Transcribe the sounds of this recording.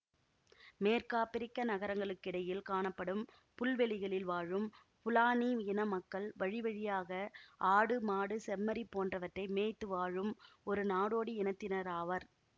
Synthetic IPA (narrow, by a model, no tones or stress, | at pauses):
meːɾkaːpɪɾɪkːɐnɐɣɐɾɐŋɡɐɭɯkːɪɽɐjɪlkaːɳɐpːɐɽɯm | pʊlʋɛɭɪɣɐɭɪlʋaːɻɯm | pʊlaːniɪnɐmɐkːɐɭʋɐɻɪʋɐɻɪjaːɣɐʔaːɽɯmaːɽɯsɛmmːɐɾipːoːndrɐʋɐʈrɐɪmeːt̪ːɯʋaːɻɯmɔɾɯnaːɽoːɽiɛnɐt̪ːɪnɐɾaːʋɐɾ